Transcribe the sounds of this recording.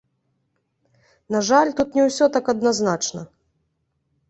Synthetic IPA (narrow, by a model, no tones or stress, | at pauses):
naʐalʲt̪ut̪nʲɛwsʲɔt̪akɐd̪naznat͡ʂnɐ